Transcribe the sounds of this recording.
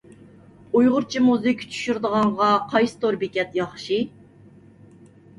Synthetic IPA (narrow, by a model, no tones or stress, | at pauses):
ujʁʊɾt͡ʃʰimuzɪkʲʰt͡ʃʰy̥ʃyɾd̪əʁɑɴʁɑqʰɑjsɨ̥t̪ʰoɾbɪkʲɛt̪jɑχʃi